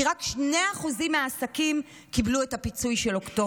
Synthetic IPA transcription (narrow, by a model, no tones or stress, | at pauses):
iʁakʃne̞aχuzimeaːsakim | kibluetapit͡sujʃelo̞kto